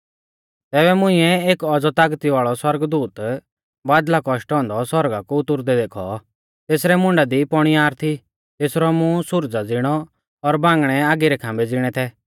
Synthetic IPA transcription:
t̪ɛːbɛmʊ̃ɪ̃ɛeːkɔd͡zɔt̪aːɡt̪iʋaːɭɔswɐɾɡd̪uːt̪ | baːd̪lakɔʃʈɔ̃ːnd̪ɔswɔɾɡakuʊt̪ʊɾd̪ɛd̪eːkʰɔ̰ | t̪eːsɾɛmʊ̃ɳɖad̪ipɔɽ̃iaːɾt̪ʰi | t̪eːsɾɔmũsʊɾd͡zad͡zɪɽ̃ɔ | ɔɾbãːŋɡɽ̃ɛaːɡiɾɛkʰãːmbɛd͡zɪɽ̃ɛt̪ʰɛ

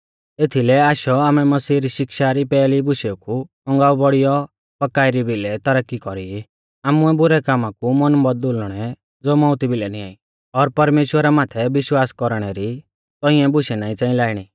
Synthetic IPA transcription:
et̪ʰilɛaːʃɔaːmɛmɐsiːɾiʃɪkʃaɾipɛːlibʊʃɛuku | ɔ̃ŋɡaːubɔɽijɔ | pɐkaːɪɾibilɛt̪ɐɾəkːikɔɾii | aːmuɛbʊɾɛkaːmãkumɔnbɔd̪̚olɽ̃ɛ | d͡zoːmɔʊt̪ibɪlɛniaːi | ɔɾpɐɾmeːʃwəɾamaːt̪ʰɛbɪʃwaːskɔɾɽ̃ɛɾi | t̪ɔ̃ĩɛ̃bʊʃɛnaːĩt͡sãːĩlaːɪɽ̃i

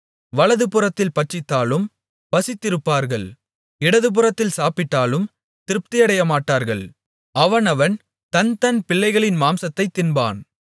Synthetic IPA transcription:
ʋɐɭɐðɯpɯrɐt̪ːɪlpɐʈt͡ʃːɪt̪ːaːlɯm | pɐsɪt̪ːɪɾɯpːaːɾɣɐɭ | ɪɽɐðɯp̬ɯrɐt̪ːɪlsaːpɪʈːaːlɯm | t̪ɪɾɯp̚t̪ɪjɐɽɐjɐmaːʈːaːɾɣɐɭ | ɐʋɐnɐʋɐn | t̪ɐnt̪ɐnpɪɭːɐɪɣɐɭɪnmaːmsɐt̪ːɐɪt̪ːɪnba̰ːn

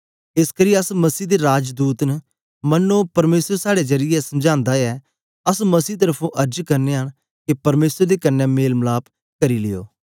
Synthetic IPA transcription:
ɪskəɾiːɐsmɐsiːd̪eɾaːd͡ʒd̪uːt̪nə | mɐnːõpɐɾmeːsəɾsaːɽed͡ʒɐɾɪjɛsɐmd͡ʒãːnd̪aɛː | ɐsmɐsiːt̪̬əɾəpʰũʔɐɾd͡ʒkɐɾneːɦəɽ̃ | kepɐɾmeːsəɾd̪eːkɐnːɛmeːlmlaːp | kɐɾilɪjo̰ː

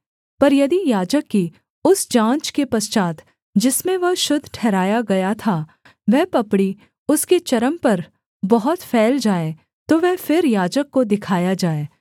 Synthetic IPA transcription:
pɐɾjɐd̪ijaːd͡ʒəkːi | ʊsd͡ʒãːt͡ʃkepɐst͡ʃaːt̪ | d͡ʒɪsmẽʋɐɦʃʊd̪ʱʈʰɛːɾaːjaɡɐjat̪ʰa | ʋɛɦpɐpɽi | ʊsket͡ʃɐɾəmpɐɾ | bɐɦʊt̪fʰɛːld͡ʒaːe | t̪oʋɛfɪɾjaːd͡ʒəkːod̪ɪkʰaːjad͡ʒaːeː

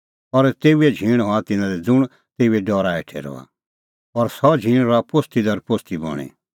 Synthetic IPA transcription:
ɔɾt̪eːuɛd͡ʒʱĩːɽ̃ɦɔãt̪ɪnãd̪ɛd͡zʊɽ̃ | t̪eːuɛɖɔːɾaeʈʰɛ̰ɾɔ̰a̰ | ɔɾsɔd͡ʒʱĩːɽ̃ɾɔapost̪id̪ɐɾpost̪ibɔ̰ɽ̃ḭ

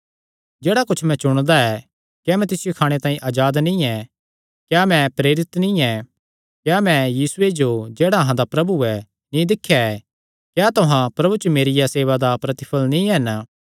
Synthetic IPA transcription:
d͡ʒeːɽakʊt͡ʃʰmɛ̃t͡ʃʊɽ̃d̪aɛ | kjaːmɛ̃t̪ɪsɪjokʰaːɽ̃et̪ãːĩʔaːd͡ʒaːd̪nĩːɛ | kjaːmɛ̃pɾeːɾɪt̪nĩːɛ | kjaːmɛ̃jiːsʊed͡ʒod͡ʒeːɽaɐɦãd̪apɾɐbuɛ | nĩd̪ɪkʰːjaɛ | kjaːt̪ʊɦãpɾɐbut͡ʃomeːɾɪjaseːʋad̪apɾɐt̪ɪ̥pʰəlnĩɦɛn

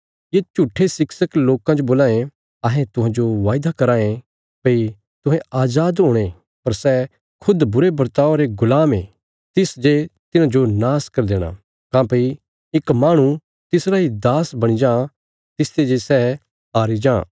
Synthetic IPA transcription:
jeːt͡ʃuːʈʰːesɪksəkloːkãd͡ʒoboːlãːẽ | ɐɦɛ̃t̪ʊɦãd͡ʒoʋaːɪd̪akɐɾaːẽ | pɐi | t̪ʊɦɛ̃aːd͡ʒaːd̪ɦoːɽ̃e | pɐɾsɛ | kʰʊd̪bʊɾebɐɾt̪aːoɾeɡʊlaːmḛ | t̪ɪsd͡ʒet̪ɪnãd͡ʒonaːskɐɾd̪eːɽ̃a̰ | kãːpɐi | ɪkmaːɽ̃u | t̪ɪsɾaɦid̪aːsbɐɽ̃id͡ʒãː | t̪ɪst̪ed͡ʒesɛ | aːɾid͡ʒã̰ː

